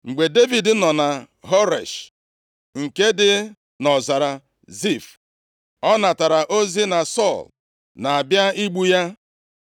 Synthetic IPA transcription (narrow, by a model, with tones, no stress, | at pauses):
ŋ͡m̩˨ɡ͡be˨de˦vi˨dnɔ˨na˨ | ɦɔ˦ɾɛ̰˨ʃ | ŋ̩˨ke˦dɪ˦ | nɔ˨za˨ɾa˨ | zi˦˨f | ɔ˦na˨ta˨ɾa˨ʔo˦zi˦na˨sɔ˦˨l | na˨a˨bja˦i˦ɡ͡bu˦ja˦